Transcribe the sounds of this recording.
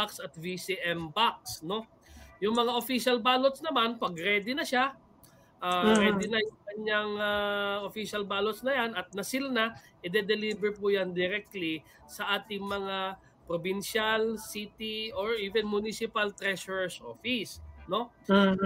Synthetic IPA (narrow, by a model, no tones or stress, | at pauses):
aksɐt̪̚visiʔɛmbak̚sno̞ | jʊŋmɐŋaʔofiʃɐlbaːlot̪snɐmanpɐɡɾɛːd̪ɪnɐʃa | ʔaːpɛd̪ɪnɐjʊŋkɐɲːaŋaofiʃɐlbaːlot̪snɐjanɐt̪̚nɐsɪlna | ʔɪd̪ɛd̪ɛliːbɛɹpuːjand̪ɪɾɛk̚t̪li | sɐʔaːt̪ɪŋmɐŋa | pɾobɪnʃalsit̪iʔoɹʔiːvɛnmʊnisɪpɐlt̪ɾɛʃoɹɛsʔo̰ːfisno̞